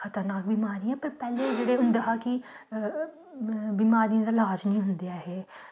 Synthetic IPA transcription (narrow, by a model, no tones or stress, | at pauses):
kʰət̪əɾnaːk̚bimaːɾiːãːpəɾpɛːlẽːd͡ʒeːɽeːʊnd̪eɦaːkɪ | bimaːɾiːãd̪aːlaːd͡ʒnĩːɦʊnd̪ejaːɦɛː